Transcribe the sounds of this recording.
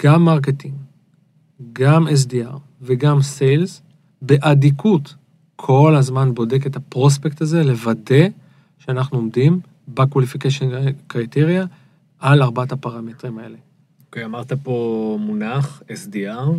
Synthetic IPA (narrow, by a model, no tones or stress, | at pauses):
ɡ̥amːaʁk̬etim | ɡames̬diaʁ | veɡamsejlz | be̞ʔadikʰut | kʰo̞lazmanbo̞de̞ketapʁo̞s̬pektaze̞le̞vade̞ | ʃeanaχnuo̞mdim | bakwalifikeʃonkʁajteʁja | ʔalaʁbathapaʁametʁimae̞̰le̞ | okejamaʁt̪apomunaχesdiaʁ